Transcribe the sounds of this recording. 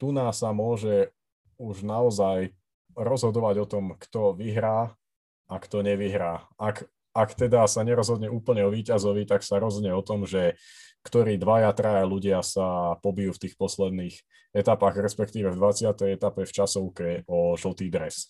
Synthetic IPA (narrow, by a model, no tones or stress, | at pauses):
t̪unasamʊɔʒɛ | uʒnaɔzaj | ɾɔzɦɔd̪ɔʋaɟɔt̪ɔmkt̪ɔʋiɦɾaː | akt̪ɔɲɛʋiɦɾaːak | akt̪ɛd̪asaɲɛɾɔzɦɔd̪ɲɛʔuːpl̩ɲɛɔʋiːcazɔʋit̪aksaɾɔzɲɛɔt̪ɔmʒɛ | kt̪ɔɾiːd̪ʋajat̪ɾaaluɟɪasapɔbijuft̪iːxpɔslɛd̪̚niːx | ɛt̪apaɣɾɛspɛkt̪iːʋɛvd̪ʋat͡sɪat̪ɛjɛt̪apɛft͡ʃasɔʊkɛɔʒl̩t̪iːd̪ɾɛs